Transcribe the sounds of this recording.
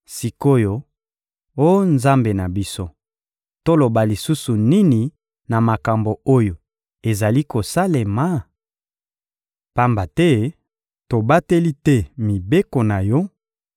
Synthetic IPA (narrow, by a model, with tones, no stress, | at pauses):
si˨ko˦jo˨ | o˦nza˦mbe˨na˨bi˦so˦ | to˦lo˨ba˨li˨su˦su˨ni˦ni˨ | na˨ma˨ka˨mbo˨o˦jo˨ | e˨za˨li˦ko˨sa˦le˨ma˨˦ | pa˦mba˨tɛ˦ | to˨ba˦te˦li˦tɛ˦mi˨be˦ko˨na˨jɔ˦